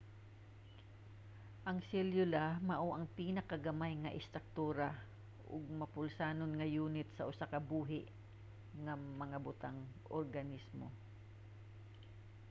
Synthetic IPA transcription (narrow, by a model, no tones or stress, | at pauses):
ʔɐŋsɛljʊlamɐʔoʔɐŋpiːnɐkaɡɐmajŋɐʔɪst̪ɾak̚t̪uːɾa | ʔʊ̰ɡ̚mɐpʊlsaːnonŋɐjuːnɪt̪̚sɐʔʊsakɐbuːɦɪʔ | ŋɐmɐŋabʊt̪aŋʔo̰ɾɡɐnismo̰